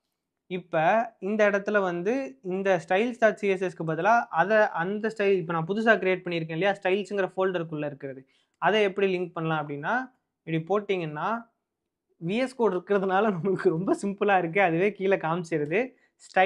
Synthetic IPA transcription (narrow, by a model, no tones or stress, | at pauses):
ɪpːɐɪnd̪ɐɪɽɐt̪ːɪlɐʋɐnd̪ɯɪnd̪ɐsʈɐɪlsʈaːʈsiɛs̬ɛskɯp̬aːt̪ːɪlãːʔɐðɛʔɐnd̪ɐsʈɐɪlɪp̬ːoːnãːp̬ʊðʊs̬aːkɪɾɪeːʈ̚pɐɳːɪɾɯk̬ːẽːɪlɐjaːsʈɐɪlsɯŋɡɪɾɐfoːlɖɐɾkːɯɭːɐɪɾɯkːɪɾɐðɯ | ɐðɛɛpːɐɽilɪŋk̚pɐɳːɐlãːɐp̬ːɐɽɪnːaː | ɛpɽipoːʈːiːŋɡɐnːaː | ʋiːɛskoːɽɪɾɯkːɪɾɐðɯnaːlɐnɐmɐkːɯɾɔmbɐsɪmpɯlaːɪɾɯk̬ːɯɐðɯʋeːkiːlɐkaːmsɛjɾɐðɯ | sʈɐ